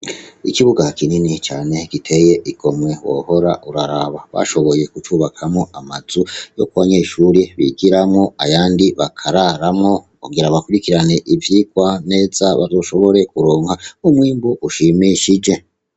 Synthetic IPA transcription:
ikiβuɡakininit͡ʃaːne̞kitʰe̞je̞ʔiɡo̞mŋe̞wo̰ho̞ɾa̰ʔuɾaɾaβaβa̰ʃo̞βo̞je̞kut͡ʃuːβakʰamŋoamazujo̞̰kuβaɲe̞ːʃuɾiβiɡiɾamŋoajaːndiβakʰaɾaɾamŋo̞ | kuɡiɾaβakuɾikiɾane̞ʔivjiːkwane̞ːzaβa̰zoʃo̞βo̞ɾe̞kuɾoːŋhaumwiːmboʔuʃimiʃid͡ʒe̞

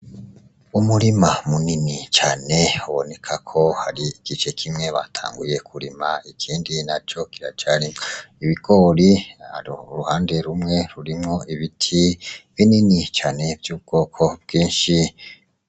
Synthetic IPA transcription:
umuɾimamuninit͡ʃaːne̞uβo̞ne̞kʰakʰo̞haɾiiɡ̥it͡ʃe̞kʰimŋe̞βa̰tʰa̰ːŋɡuje̞kʰuɾimaikʰiːndinat͡ʃo̞kiɾat͡ʃaɾimiβiɡo̞ɾihaɾɾuhaːnde̞ɾumŋe̞ɾuɾimŋo̞ʔiβitʰiβininit͡ʃaːne̞bjuːb̚ɡ̥o̞ːkʰo̞bɡiːnʃi

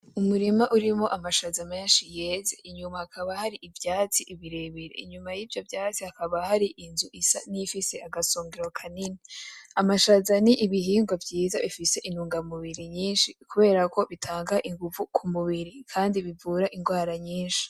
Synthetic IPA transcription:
umuɾimaʔuɾimo̞ʔamaʃazame̞ːnʃije̞zeʔiɲumahakʰaβahaɾiʔivjaːt͡siʔiβiɾe̞βiɾḛiɲumajiːvjo̞vjaːt͡sihakaβahaɾiʔinzuʔisa̰nifise̞ʔaɡasoːŋɡeɾwakʰaniniamaʃazaniʔiβiɦiːŋɡwavjiːzaβifise̞ʔinuːŋɡamuβiɾiɲiːnʃikuβe̞ːɾako̞βitʰaːŋɡaʔiŋɡuvukʰumuβiɾikʰaːndiβivuːɾaʔiŋɡwaːɾaɲiːnʃi̥

